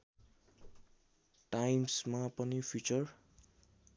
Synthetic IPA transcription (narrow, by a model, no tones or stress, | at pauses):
ʈajmsmapʌnipʰjut͡sʌr